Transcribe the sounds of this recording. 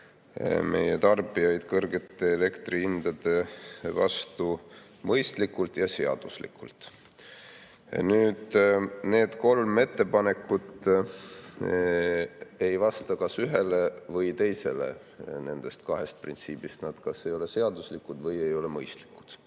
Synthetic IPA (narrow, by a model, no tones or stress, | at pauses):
me̞̰jet̪ɑrb̥ijɑjd̪̥kɤrɡe̞t̪ːˑe̞ːle̞kt̪riind̪̥ɑd̪e̞vɑ̰st̪u | mɤjst̪likːult̪jɑse̞ɑ̰d̪̥uslḭkːṵlt̪ˑ | nyːd̪̥ne̞ːd̪̥ko̞lme̞t̪ːe̞pɑne̞kːˑud̪ | ejvɑst̪ɑkɑsyɦe̞le̞vɤjt̪e̞jse̞̰le̞̰ | ne̞̰nd̪̥e̞st̪kɑɦe̞st̪̚print̪siːb̥ist̪nɑd̪̥kɑsːejo̞le̞se̞ɑd̪̥uslikːˑud̪vɤje̞jo̞le̞mɤjst̪li̥kːˑu̥d̪̥